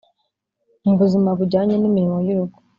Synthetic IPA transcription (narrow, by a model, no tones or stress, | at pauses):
muβuzimaβuɾɟaːɲenimiɾimo̞juɾuɡu̥